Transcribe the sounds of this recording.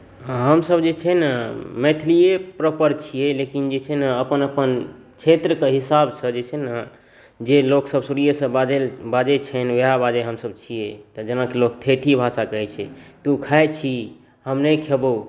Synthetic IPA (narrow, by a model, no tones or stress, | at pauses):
ɦəmsəbd͡ʒet͡ʃʰɛnmet̪ʰlijepɾəpəɾt͡ʃʰijɛlekind͡ʒet͡ʃʰɛnəpənəpən | kt͡ʃʰet̪ɾəkeɦisabsəd͡ʒet͡ʃʰɛn | d͡ʒeloksəbsuɾijəsə̃bad͡ʒelbad͡ʒet͡ʃʰɛnʋeɦabad͡ʒeɦəmsəb̚t͡ʃʰijet̪ɔd͡ʒənakelokt̪ʰet̪ʰibʱasakəɦɛt͡ʃʰɛt̪ukʰaet͡ʃʰi | həmnekʰebo